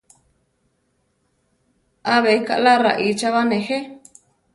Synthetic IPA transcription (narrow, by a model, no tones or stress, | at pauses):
aβeika̰ʔlaɾaʔit͡ʃaβanẽhe